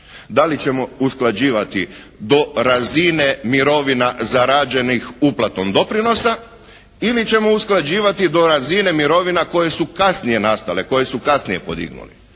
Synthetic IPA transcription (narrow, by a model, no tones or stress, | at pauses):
d̪alit͡ʃe̞mo̞usklˠad͡ʒiːʋat̪i | d̪o̞ɾazine̞miɾo̞ʋinazaɾad͡ʒe̞nixuplˠat̪omd̪o̞pɾino̞sa | ilit͡ɕe̞mo̞usklˠad͡ʑiːʋat̪id̪o̞ɾazine̞miɾo̞ʋinako̞je̞sukasnije̞nast̪ale̞ko̞je̞sukasnije̞po̞d̪ḭɡnṵlḭ